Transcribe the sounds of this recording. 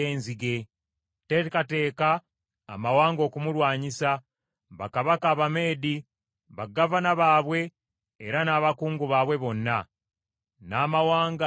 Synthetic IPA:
eːnziɡe̞ | tetkate̞ːka̰ː | mawaːŋɡo̞ːkumulwaːɲisa | βakaβakaːβame̞ːdi | βaɡːavanaβaːβwe̞ː | ɾanaːβakuːŋɡuβaːβwe̞βo̞nːa | naːmawaːŋɡ

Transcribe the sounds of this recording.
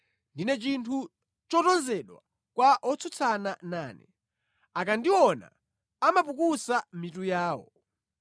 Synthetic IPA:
ndinɛt͡ʃintʰu | t͡ʃɔtɔnzɛɗwa̰ | kwaʔɔt͡sʰut͡sʰananaːnɛ̰ | akandiwɔna̰ː | mapukusam̩mitujaːwɔ̰

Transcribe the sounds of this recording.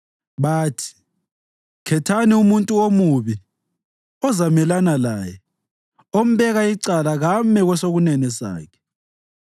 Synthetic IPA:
βaːtʰi̥ | kʰɛtʰaniumuntʼuomuβi | ɔzamɛlanalaːjɛ | om̩βɛɣaiǀalaɣamɛɣwɛsoɣunɛnɛsa̰ːkʰɛ̥

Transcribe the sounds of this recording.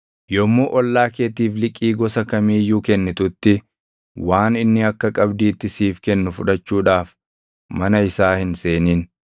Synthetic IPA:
jɔmːuːʔɔlːaːkeːt̪iːflɪkʼːiːɡɔsɐkɐmiːjuːkɛnːɪt̪ʊt̪ːɪ | waːnɪnːɪɐkːɐkʼɐbd̪iːt̪ːɪsiːfkɛnːʊfʊᶑɐt͡ʃːuːᶑaːf | mɐnɐɪsaːhɪnse̞ːniːn

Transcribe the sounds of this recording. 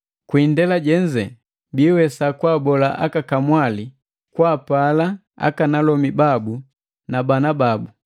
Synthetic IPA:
kwindɛlaɟɛɲd͡ʒɛ | biːwɛsakwaːbɔlaʔa̰kakamwali | kwaːpala | a̰kanalɔmibabu | nabanababu

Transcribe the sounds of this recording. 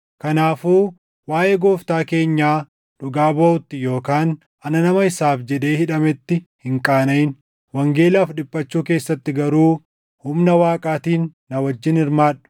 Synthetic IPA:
kɐnaːfuː | waːʔeːɡoːft̪aːke̞ːɲːaː | ᶑʊɡaːbɐːʔʊt̪ːɪjo̞ːkaːn | ɐnɐnɐmɐɪsaːfd͡ʒɛd̪e̞ːhɪᶑɐmɛt̪ːɪhɪŋkʼaːnɐɪn | wɐŋɡe̞ːlaːfɗɪpʼːɐt͡ʃːuːke̞ːsːɐt̪ːɪɡɐɾuː | hʊmnɐwaːkʼaːt̪iːnːɐwɐd͡ʒːɪnɪɾmaːᶑʊ̥

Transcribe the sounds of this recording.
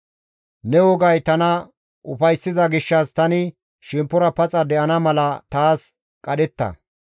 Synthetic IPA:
nɛwɔɡɐjt̪ɐnɐ | ʔʊfɐjsːɪzɐɡɪʃːɐst̪ɐnɪ | ʃɪmpːɔɾɐpɐt͡sʼɐd̪ɛʔɐnɐmɐlɐt̪aːs | kʼɐɗɛt̪ːɐ̰

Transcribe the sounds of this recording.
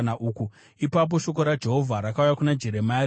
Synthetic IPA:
naʔuːku | ipap̬o̞ʃo̞k̬o̞ɾad͡ʒe̞ɦo̞vʱaɾakaujakunad͡ʒe̞ɾe̞ma

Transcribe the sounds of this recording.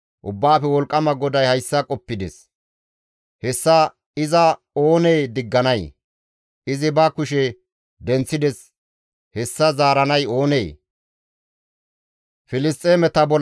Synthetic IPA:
ʔʊbːaːfɛwɔlkʼːɐmɐɡɔd̪ɐjhɐjsːɐkʼɔpːɪd̪ɛs | hɛsːa | ɪzɐ | o̞ːneːd̪ɪɡːɐnɐj | ɪzɪbɐkʊʃɛ | d̪ɛnt͡sːɪd̪ɛs | hɛsːɐzaːɾɐnɐjo̞ːneː | fɪlɪst̪ʼːeːmɛt̪ɐbɔ

